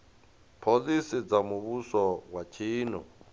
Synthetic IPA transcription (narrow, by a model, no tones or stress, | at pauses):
pʰolisid͡zamuβusɔwat͡ʃʰiːnɔ̰